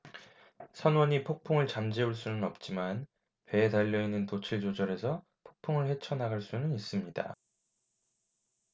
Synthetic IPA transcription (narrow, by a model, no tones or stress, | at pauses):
sʰʌnwʌɲipʰok̚pʰoŋɯɭt͡ɕamd͡ʑeuɭs͈unɯnʌp̚t͡ɕ͈iman | pe̞ːtaʎːʌinːɯntot͡ɕʰiɭd͡ʑod͡ʑʌɾe̞sʰʌ | pʰok̚pʰoŋɯɭɸe̞t͡ɕʰʌnɦaɡaɭs͈unɯnis͈ɯmɲida̰